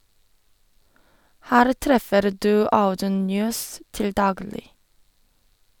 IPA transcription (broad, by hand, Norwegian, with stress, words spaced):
ˈhæːɾ ˈtɾɛfəɾ ˈdʉː ˈaʊdʉn ˈnjøːs ˈtɪl ˈdɑːɡlɪ